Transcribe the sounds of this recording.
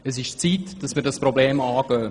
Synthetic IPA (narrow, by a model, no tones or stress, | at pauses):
əs̬ɪʃt͡siːtd̥ɑsmiːɾdɑsprobleːmaːɡ̥œː